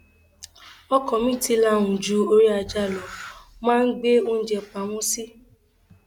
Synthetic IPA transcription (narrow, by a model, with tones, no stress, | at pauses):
ɔ˦kɔ˨mĩ˦ti˧la˧˨ʊ̃˨d͡ʒu˨˦o˦ɾi˦a˧d͡ʒa˦˨lɔ˨mãː˦n̩˦ɡ͡be˦o˦n̩˦d͡ʒɛ˧k͡pa˨ŋʷũ˦si˦